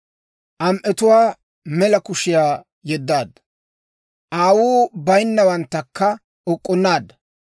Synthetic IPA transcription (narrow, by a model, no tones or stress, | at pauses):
ʔɐmʔɛt̪ʊwaː | mɛlɐkʊʃɪjaː | jɛd̪ːaːd̪ɐ | ʔaːwuːbɐjnːɐwɐnt̪ːɐkːɐ | ɔkʼːɔnːaːd̪ɐ